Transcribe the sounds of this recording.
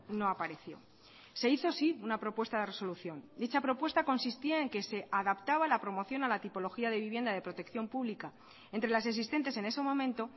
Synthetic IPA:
no̞apaɾe̞θjo̞̰ | se̞iθo̞siunapɾo̞pwe̞st̪aðe̞reso̞luθjo̞nd̪it͡ʃapɾo̞pwe̞st̪ako̞nsist̪iae̞ŋke̞se̞ʔaðapt̪aβalapɾo̞mo̞θjo̞nalat̪ipo̞lo̞xiaðe̞βiβje̞nd̪aðe̞pɾo̞t̪e̞kθjo̞mpuβlika | e̞nt̪ɾe̞las̬e̞ks̬ist̪e̞nt̪e̞se̞ne̞semõ̞mẽnt̪o̞

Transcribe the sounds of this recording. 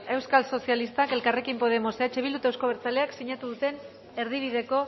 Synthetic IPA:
e̞wskalso̞sialist̪ake̞lkare̞kimpo̞ð̞e̞mo̞seat͡ʃeβild̪ut̪ewsko̞β̞eɾt͡sale̞aksiɲat̪uðut̪e̞n | e̞ɾðiβ̞iðe̞ko̞

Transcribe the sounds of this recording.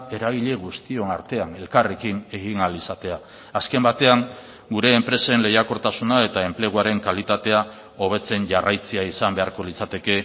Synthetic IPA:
e̞ɾaβ̞iʎe̞ɣust̪io̞naɾt̪e̞ane̞lkare̞kine̞ɣinalisat̪e̞aː | ske̞mbat̪e̞aŋ | ɡuɾe̞ːmpɾe̞senle̞jako̞ɾt̪asunae̞t̪ae̞mple̞ɣoaɾe̞ŋkalit̪at̪e̞a | o̞β̞e̞t͡se̞nʝarajt͡seaisambe̞aɾko̞lit͡sat̪e̞ke̞

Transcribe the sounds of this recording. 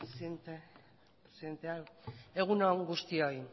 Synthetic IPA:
snt̪e | pɾesient̪eae̞ɣ̞unoŋɡust̪ioj

